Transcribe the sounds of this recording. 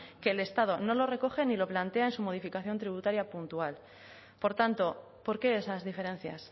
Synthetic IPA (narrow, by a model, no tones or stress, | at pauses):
ke̞ːle̞st̪að̞o̞no̞lo̞re̞ko̞xe̞nilo̞plant̪e̞aensumo̞ð̞ifikaθjo̞nt̪ɾiβut̪aɾjapunt̪ual | po̞ɾt̪ant̪o̞ | po̞ɾke̞esazðife̞ɾẽ̞n̟θja̰s